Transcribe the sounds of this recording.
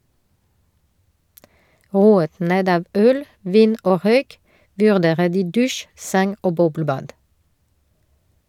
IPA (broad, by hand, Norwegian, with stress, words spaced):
ˈʁuːət ˈneːd ˈɑːʋ ˈœl ˈʋiːn ˈoː ˈʁœʏk ʋʉʁˈdeːʁə ˈdiː ˈdʉʃ ˈsɛŋ ˈoː ˈbɔbləˌbɑːd